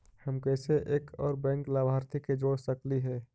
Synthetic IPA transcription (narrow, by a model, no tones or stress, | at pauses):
həmkɛːseʔeːkʰɔːɾbɛ̃ːŋklaːbʱaːɾt̪ʰiked͡ʒoːɽsəkliɦɛː